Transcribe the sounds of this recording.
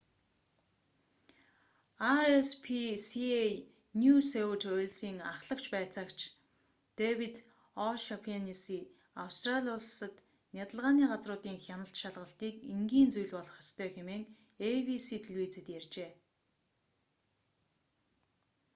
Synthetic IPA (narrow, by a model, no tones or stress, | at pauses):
aɾespʰisiej | njusewt̪ʰʊɮsiːŋaχɮə̆kt͡ɕpæːt͡saːkt͡ɕʰ | t̪ewit̪ | ɔʃapʰanisiː | awst̪raɮʲiʊɮsə̆t̪ | nʲjat̪ə̆ɮʁaːniːɢat͡srʊːt̪iːŋxʲjanə̆ɬt̪ʃaɮʁə̆ɬt̪iːkiŋɡiːnt͡sujɮpɔɮɞ̆χjɔst̪ʰœːxemeːŋ | ewisiːt̪ʰiɮwiːt͡sĭt̪jært͡ɕeː